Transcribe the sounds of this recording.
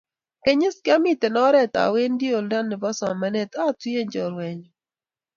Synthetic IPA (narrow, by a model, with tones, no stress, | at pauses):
kɛ˦ɲɪ˦skɪ˦a˦mi˦t̪ɛ˨nɔ˦ɾɛ˦˨t̪a̰˨we˦ndi˦o˨lda˦nːɪ˨bɔ˦sɔ˨ma˦nɛ˦t̪a˦twi˦e˦ɲd͡ʒɔ˨ɾwɛ˨ɲ